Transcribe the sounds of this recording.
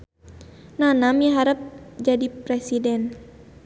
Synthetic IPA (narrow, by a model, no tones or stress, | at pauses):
nanamjaɦaɾəp̚d͡ʒadipɾɛsidɛn